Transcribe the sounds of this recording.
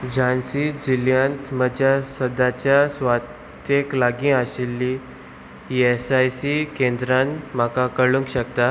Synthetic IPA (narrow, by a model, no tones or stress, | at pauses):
d͡ʑansid͡ʑiljãnt̪məd͡ʑjasəd̪at͡ɕjasʋat̪ | jeklaɡĩaɕelːi | esajsikẽnd̪ɾanm̤akakəɭũŋkɕək̚t̪a